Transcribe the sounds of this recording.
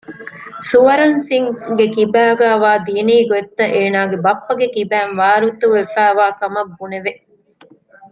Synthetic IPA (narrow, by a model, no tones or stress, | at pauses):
suʋɐɾɐnsiŋɡekibæːɡæːʋaːd̪iɐniːɡoet̪ːɐʔeːnaːɡebɐpːɐɡekibæːnʋaːɾut̪uʋefæːʋaːkɐmɐbːuneʋe